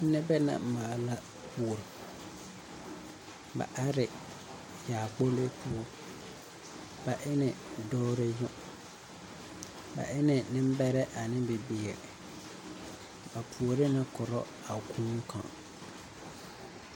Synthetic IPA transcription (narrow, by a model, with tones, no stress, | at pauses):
n̩˦nɛ˦bɛ˦na̰˨maː˨la˦ | pu˨o˨ɾ | ba̰˨ʔa˦ɾɪ˨ | jaː˨k͡po˦le˦pʰu˦o˦ | ba˨ʔɪ˦nɪ˨dɔː˦ɾe˦jʊ˦ | ba̰˨ʔɪ˦nɛ˨nɪ̃˦m˦bɛ˦ɾɛ˦ʔa˨nɪ̃˦bɪ˨beː˨ɾɪ̰˨ | ba˨pʰu˨o˨ɾɪ˦nɪ˦kɔ˨ɾɔ˦ | a˨kʰũː˦ŋ˦kʰã̰˨